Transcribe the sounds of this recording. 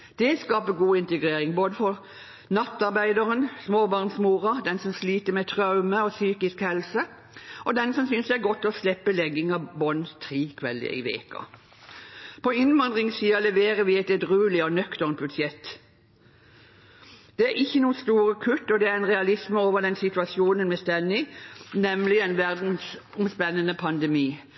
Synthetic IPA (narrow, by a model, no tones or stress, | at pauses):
d̪̥ɛskɑːpəɡuːɪnt̪əɡʁeːɾɪŋboːd̪əfɔʁ | nɑt̪ːɑʁbæɪd̪ɑʁənsmoːbɑʁnsmuːʁɑd̪ɛnsɔmsliːt̪əmɛt̪ʰʁɑʉməɔsyːkɪskhɛlsə | ɔd̪ɛnsɔmsʏnsd̪ɛæɾɡɔt̪ʰːlɔslɛpːəlɛɡɪŋɑbɔnt̪ʰʁiːkʰʋɛldɪ̰ə̰ɪ̰ʋḛːkɑ̰ | pʰɔɪnʋɑnd̪ʁɪŋsiːɑlɛʋeːʁəʋɪɛt̪ɛd̪ʁʉːlɪɔnœkt̪əʁnt̪̚bʉd̪ʃjɛt̪ː | d̪̥ɛæɾɪçːənuːəst̪uːʁəkʰʉt̪ːɔd̪ɛæʁɛnʁɛɑlɪsməoːʋəʁd̪ɛnsɪt̪ʉɑsjuːnənmɛst̪ɛnːɪnɛmlɪɛnʋæʁd̪n̩sɔmspɛnːənəpʰɑnd̪ɛmiː